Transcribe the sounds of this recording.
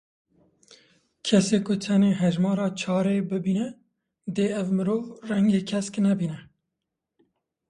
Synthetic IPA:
kʰɛseːkʊt̪ʰɛneːɦɛʒmɑːɾɑːt͡ʃʰɑːɾeːbɨbiːnɛ | d̪eːɛvmɨɾoːvrɛŋɡeːkʰɛsknɛbiːnɛ

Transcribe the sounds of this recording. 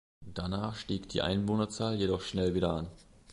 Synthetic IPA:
d̥anaːχʃtiːkd̥ḭːʔa̰ɪnvoːnɐt͡saːljedɔχʃnɛlviːɾɐʔan

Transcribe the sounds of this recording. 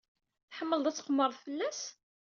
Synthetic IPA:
θħəmːəld̪ˤæt͡sːə̥qəmːəɾˤfəlːæs

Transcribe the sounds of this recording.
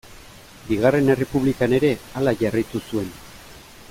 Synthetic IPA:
biɣare̞ne̞re̞puβ̞likane̞ɾe̞alaʝarajt̪usue̞n

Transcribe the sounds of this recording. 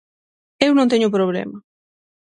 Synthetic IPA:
ewnõnt̪eɲʊp̬ɾoβ̞lḛmɐ

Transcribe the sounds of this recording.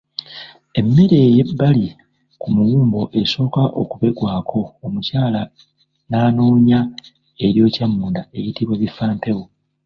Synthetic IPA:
e̞mːe̞ɾe̞ːje̞bːali | kumuwuːmbo̞ʔe̞so̞ːkaʔo̰kuβe̞ɡwaːkʰo̞ːmucaːla | naːno̞ːɲa | e̞ɾjo̞ːcamːuːndae̞jitiβwe̞βifaːmpe̞wo

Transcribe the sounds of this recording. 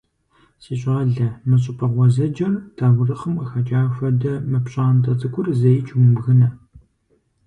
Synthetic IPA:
siːɕʼaːɮɐmɐɕ̬ʼɪpʼʰɐʁʷɔzɐd͡ʒɐrtʰaːwʷʊrɐχɐmqɐxɐt͡ʃʼaːfʷɐdɐmɐpɕʼaːntʰʼɐt͡sʼɨkʷʼʊrzɐjɪt͡ʃʼwʊmɣɨnɐ

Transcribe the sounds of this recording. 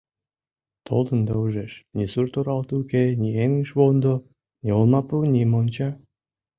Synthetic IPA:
t̪ʰo̰lˠd̪ənd̪ɑuʒeʃnʲisurt̪oɾɑlt̪ukenʲieŋəʃβond̪o | nʲiolˠmɑpunʲimont͡ɕɑ

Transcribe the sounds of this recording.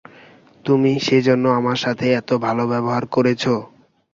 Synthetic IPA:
t̪umiʃed͡ʑonːoamaɾʃat̪ʰeɛt̪obʱalobɛboɦaɾkoɾet͡ɕʰo

